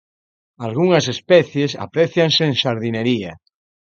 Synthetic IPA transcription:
alɣ̞uŋasespɛθjesa̰pɾeθjanseːŋʃaɾðineɾia

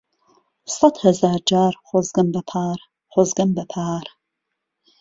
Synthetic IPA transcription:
sɐtʰhɐzaːrd͡ʒaːrχʷɔzɡɐmbɐpʰaːr | χʷɔzɡɐmbɐpʰaːr

